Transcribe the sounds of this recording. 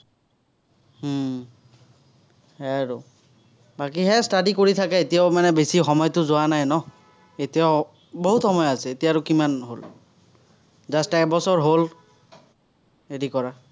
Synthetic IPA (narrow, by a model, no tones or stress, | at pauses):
h̩ | hɛɹu | bakiɦɛstadikoɹitʰakɛetijaʊmanɛbesixɔmɔjtʊzʊwanajnɔ | etijaʊ | boɦutxɔmɔjasɛetijaːɹʊkimanɦol | zastaɛbɔsɔɹɦol | eɹikɔɹa